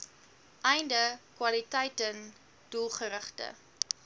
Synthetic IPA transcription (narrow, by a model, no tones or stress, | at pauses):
ʔɛjndəkwɐlitɛjtən | d̥ulˠχəɾəχtə̰